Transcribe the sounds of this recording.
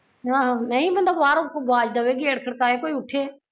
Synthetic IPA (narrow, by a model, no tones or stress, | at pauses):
ɦãːɦãnɐɦĩːbə̃nd̪oːʋaːɾokoɡaːd͡ʒd̪aːʋeːɡiːəɽkʰəɽkaːeːkoːiːʊʈʰeː